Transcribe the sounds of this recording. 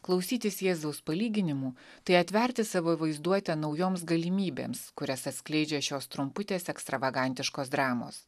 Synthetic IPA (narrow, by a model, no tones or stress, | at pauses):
klˠɒʊsʲiːt̪ʲɪsjeːzɐʊspɐlʲiːɡʲɪnʲɪmuːt̪ɐɪɐt̪ʲʋʲɛɾʲt̪ʲɪsɐʋoːʋɐɪzd̪uɔt̪ʲɛnɒʊjoːms̬ɡɐlʲɪmʲiːbʲḛːmskʊɾʲɛsɐt̪ʲsʲklʲɛɪd͡ʒʲɛʃʲoːst̪ɾʊmpʊt̪ʲeːsɛkst̪ɾɐʋɐɡɐˑnʲt̪ʲɪʃkoːsd̪ɾɑːmo̰ːs